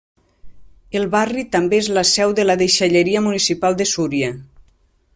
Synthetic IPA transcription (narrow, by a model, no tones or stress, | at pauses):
elˠβarit̪ambeezlasɛwðəlaðeʃaʎeɾiəmunisipalˠd̪əsuɾia